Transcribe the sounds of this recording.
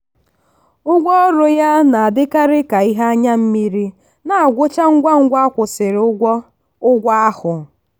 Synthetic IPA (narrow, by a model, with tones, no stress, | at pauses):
ʊ˦ɡʷɔ˦ɾʊ˨ja˦na˨a˨dɪ˦ka˦ɾɪ˦ka˨i˦ɦa˦a˦ɲa˦m̩˦mi˦ɾi˦ | na˨a˨ɡʷʊ˦t͡ʃa˦ŋ̩˦ɡʷa˦ŋ̩˦ɡʷa˦a˦kʷʊ˨sɪ˨ɾʊ˦ɡʷɔ˦ | ʊ˦ɡʷa˦a˦hʊ˨